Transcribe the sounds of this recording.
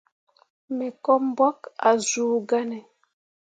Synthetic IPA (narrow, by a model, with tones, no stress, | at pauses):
mɛ˨kɔ˦m˦bɔ˦ka˨zuː˨ɡa˦nɛ˨